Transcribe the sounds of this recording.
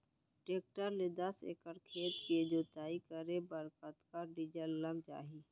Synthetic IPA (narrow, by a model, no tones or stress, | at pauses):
ʈeːk̚ʈəɾled̪əsḛːkəɾkʰeːt̪ked͡ʒoːt̪aːikəɾebəɾkət̪kaɖid͡ʒəlːəmt͡ʃa̰ːɦiː